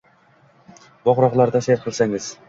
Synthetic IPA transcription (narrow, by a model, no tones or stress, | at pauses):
bɒʁɾɑʁlˠɑɾd̪ɑseɾqʰɨlˠsaŋɪz̥